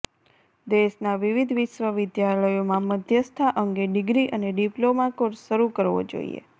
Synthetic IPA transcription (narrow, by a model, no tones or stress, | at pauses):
d̪eʃnaʋiʋid̪ʱʋɪʃʋəʋɪd̪jaɾləjomãməd̪ʱjəst̪ʰaʔəŋɡeɖɪɡɾiʔəneɖiplomakoɾʃəɾukəɾʋo̰d͡ʒo̰ḭḛ